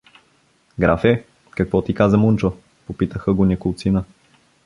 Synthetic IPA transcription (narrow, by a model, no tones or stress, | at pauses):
ɡɾafɛ | kɐkvɔt̪ikazəmunt͡ʃo | popit̪əxəɡonʲɛkolˠt̪sinə